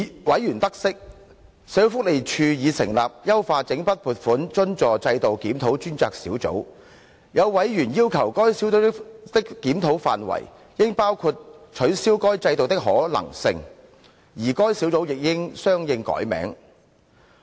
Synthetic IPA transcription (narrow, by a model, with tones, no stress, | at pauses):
wɐ˨˥jyː˨˩nt̪ɐ˥k̚sɪ˥k̚ | se˨˥wfʊ˥k̚le˨jt͡ʃʰyː˧jiː˨˧sɪ̰˨˩ŋlaː˨p̚jɐ˥wfaː˧t͡sɪ˨˥ŋpɐ˥t̚puː˨t̚fuː˨˥nt͡ʃɵ˥nt͡ʃɔː˨t͡sɐ˧jt̪o˨wkiː˨˥mt̪ʰo˨˥wt͡ʃyː˥nt͡saː˧k̚sḭː˨˥wt͡so̰˨˥w | jɐ˨˧wwɐ˨˥jjyː˨˩njiː˥wkʰɐ˨˩wkɔː˥jsiː˨˥wt͡so˨˥w̪ɪ˥t̪ɪ˥kkːiː˨˥mt̪ʰo˨˥wfa̰ː˨nwɐ̰˨˩j | jɪ˥ŋpaː˥wkʰu˧t̚t͡ʃʰɵ˨˥ɥsiː˥wkɔː˥jt͡sɐ˧jt̪o˨wt̪̬ɪ˥k̚ɦɔ̰ː˨˥lɐ̰˨˩ŋsɪ̰˧ŋ | jiː˨˩kɔː˥jsi˨˥wt͡so˨˥wjɪ˨k̚jɪ˥ŋsœː˥ŋjɪ˧ŋkɔ̰ː˨˥jmɛ̰ː˨˥ŋ